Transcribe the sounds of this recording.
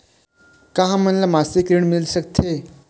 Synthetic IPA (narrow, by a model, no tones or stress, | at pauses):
kaɦãm̤ənlamasekɾiɳmilɕəkt̪ʰe